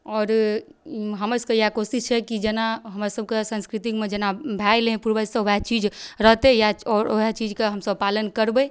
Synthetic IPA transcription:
ɔːɾ | ɦəməskejakosist͡ʃʰɛkid͡ʒenaɦəmɾasəb̚kesə̃nskɾit̪ikmed͡ʒenabʱajlɦẽpuɾbəsəat͡ʃid͡ʒɾəɦt̪ejaɔːɾo̰ɦet͡ʃid͡ʒkeɦəmsəb̚palənkəɾbə

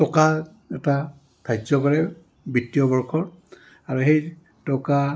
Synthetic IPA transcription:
tɔka | ɛta | tʰajzɔkɔɹɛ | bitːiɔbɔɹkʰɔɹ | aɹuxej | tɔka

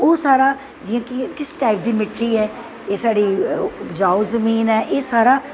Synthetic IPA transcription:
oːsaːɾaː | d͡ʒɪãːkːkɪsːʈaːɪp̚d̪iːmɪʈʰːiːɛː | eːsaːɽiːpd͡ʒaːoːzəmiːnɛːʔeːsaːɾaː

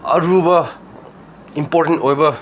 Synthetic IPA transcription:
ɐ̰ɾubʌ | impoɾʈentojbɐ

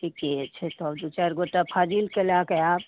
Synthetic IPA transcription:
ʈʰiket͡ʃʰet̪ɔbd̪ut͡ʃaɾɡoʈapʰad͡ʒilkelakeaːb

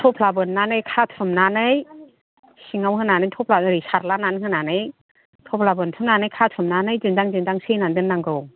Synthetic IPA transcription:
tʰɔpʰlabɯnːanɯjkʰatʰɯmnanɯj | siŋawɦɯnanɯjtʰɔpʰlaɯɾisaɾlananhɯnanɯj | tʰɔpʰlabɯntʰɯmnanɯjkʰatʰɯmnanɯjzindaŋzindaŋsejnandɯnːaŋɡɯw

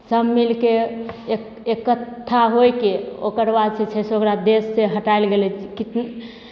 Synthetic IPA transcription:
səmmilke | ekət̪ʰːaɦojkeo̰kəɾbad̪set͡ʃʰɛseokɾad̪esːeɦəʈaelɡelɛkit̪n

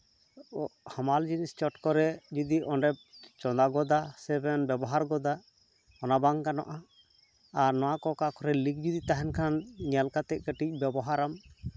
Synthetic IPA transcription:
hamald͡ʒinist͡ʃɔʈkɔɾɛd͡ʒud̪iʔɔnɖɛb̚t͡ʃɔnd̪aɡɔd̪asɛbɛnbɛbɔɦaɾɡɔd̪a | ɔnabaŋkanɔ̰ʔaː | ɾnɔwakɔkakɔɾɛlik̚d͡ʒud̪it̪aɦɛnkʰanɲɛlkat̪ɛc̚kəʈic̚ˀbɛbɔɦaɾam

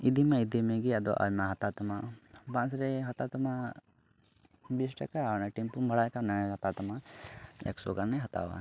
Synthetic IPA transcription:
id̪ʱimãid̪imẽɡiad̪oʔa̰lmãɦɐt̪at̪ɐmabãnsɾeɦɐt̪at̪ɐmã | bisʈɐ̰kanaʈimpumbʱɐɽakanaɦɐt̪at̪ɐmaɛ̰kso̰kaɾnɛɦɐt̪a̰ʋa̰

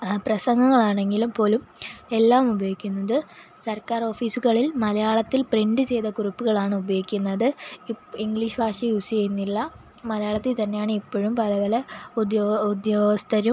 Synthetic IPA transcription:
prɐsɐŋɡɐŋːɐɭaːɳe̞ŋɡilupo̞ːlume̞lːaːmubɐjoːikʲːunːɐðɨ | sɐrkaːro̞ːfiːsuɣɐɭilmɐlɐjaːɭɐt̪ːilpriɳɖɨt͡ɕe̞jt̪ɐkurupːuɣɐɭaːɳɨubɐjoikʲːunːɐðɨ | iŋɡɭiːʂɨbʱaːʂijusijejunːilːɐ | mɐlɐjaːɭɐt̪ːilt̪ɐnːe̞jaːɳɨipːoːɻumpɐlɐʋɐlɐud̪joud̪joːst̪ɐɾum

